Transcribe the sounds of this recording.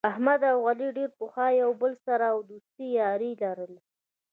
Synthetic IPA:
ahmad̪awɣaliɖeɾpoxɑjawbəlsaɾaːwd̪ust̪ijɑɾilaɾəl

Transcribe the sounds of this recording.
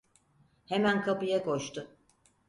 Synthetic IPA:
hemænkʰapɯjakʰoʃt̪ʊ

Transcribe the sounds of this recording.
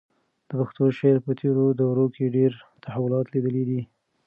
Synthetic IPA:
d̪̥əpaxt̪oʃeɾpət̪ʰeɾod̪awɾokeɖeɾt̪ahawʊlɑt̪lid̪əlid̪i

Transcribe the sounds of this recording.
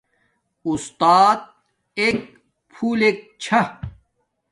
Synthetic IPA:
ust̪aːt̪̚ | ek̚ | pʰuːleːk̚t͡ɕʰɐ

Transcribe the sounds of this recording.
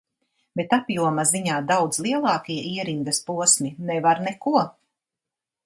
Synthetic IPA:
bet̪apjuɔmaziɲaːd̪awd̪zlˠiɛlˠɑːkiɛiɛɾiŋɡ̪ɐspuɔsminɛvaɾnɛkuɔ

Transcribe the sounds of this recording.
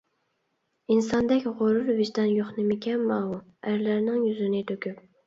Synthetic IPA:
insɑnd̪ɛkʲʁoɾʊɾvɪʒd̪ɑnjoχnɨmɪkʲʰɛmːɑwuæɾlæɾnɪŋjyzɪnɪt̪ʰøkʲyp

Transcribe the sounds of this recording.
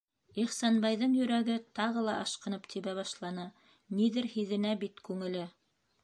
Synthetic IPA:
iχsɑnbɑjðɤɴjɵ̆ɾæɡɘt̪ɑʁɤlˠɑʔɑʃqɤ̆nɤpt̪ʰiβæβɑʃlˠɑnɤ | niðɘɾhiðɘ̆næbit̪kʉŋɘ̆lɘ

